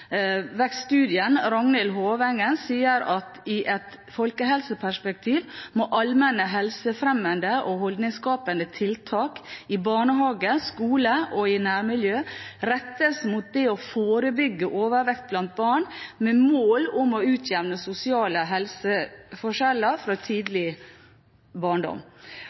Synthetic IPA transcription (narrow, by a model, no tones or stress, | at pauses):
ʋɛksst̪ʉːd̪ɪənɾɑŋnəlɦoːʋɛŋənsiːəɾɑt̪ɪʔɛt̪ | fɔlkəɦɛlsəpʰæʂpɛk̚t̪ʰiːʋmoʔɑlmɛnəɦɛlsəfɾɛmənd̪əʔɔhɔld̪nɪŋskɑːpənd̪ət̪ʰɪlt̪ʰɑːkɪbɑːɳəɦɑːɡəskuːləʔɔɪnæːɾmɪljøːɾɛt̪ːəsmut̪̚d̪ɛɔfoːɾəbʏɡːəʔoːʋəɾʋɛkt̪̚blɑnt̪̚bɑːɳmɛmoːlʊmɔʉːt̪ʰjɛʋnəsʊsɪɑːləɦɛlsəfɔʂɛləɾfɾɔt̪ʰiːd̪lɪ | bɑːɳɖɔ̰m